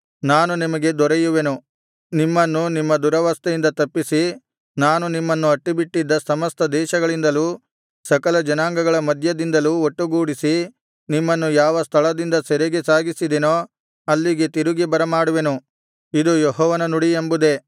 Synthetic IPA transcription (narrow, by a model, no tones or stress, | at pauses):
naːnunimɐɡe̞d̪ɔɾejuʋenu | nimːɐnːunimːɐd̪uɾɐʋɐst̪ɐjind̪ɐt̪ɐpːisi | naːnunimːɐnːuɐʈːibiʈːid̪ːɐsɐmɐst̪ʰɐd̪ɛːʃɐɡɐɭind̪ɐluː | sɐkɐlɐd͡ʒɐnaːŋɡɐɡɐɭɐmɐd̪ʱjɐd̪ind̪ɐluoʈːuɡuːɽisi | nimːɐnːujaːʋɐst̪ʰɐɭɐd̪ind̪ɐsɛɾeɡesaːɡisid̪enoː | ɐlːiɡe̞t̪iɾuɡibɐɾɐmaːɽuʋe̞nu | id̪ujɔɦɔːʋɐnɐnuɽiembud̪e̞